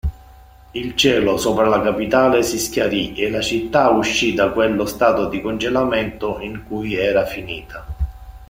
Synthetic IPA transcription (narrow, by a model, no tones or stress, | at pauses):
ilt͡ʃɛːlosoːpɾalakapit̪aːlesiskʲjaɾielat͡ʃit̪ːauʃːid̪akwelːost̪aːt̪od̪ikond͡ʒelamɛnt̪oiŋkujɛːɾafiniːt̪ʰa